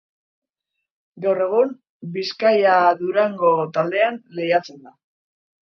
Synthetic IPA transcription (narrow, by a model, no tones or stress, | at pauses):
ɡawre̞ɣ̞um | biskajaðuɾaŋɡo̞t̪ald̪e̞anlejat͡se̞nd̪a